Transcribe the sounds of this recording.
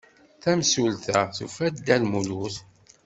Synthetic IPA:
θæmsulθæθufæd̪ælmuluθ

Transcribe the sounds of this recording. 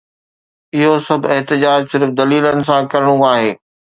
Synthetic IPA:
ɪɦosɐbʱɪɦt̪ɪd͡ʑaːd͡ʑsɪɾfd̪ɐliːlənɪ̆s̬ãkɐɾɪɽ̃ũaːɦeː

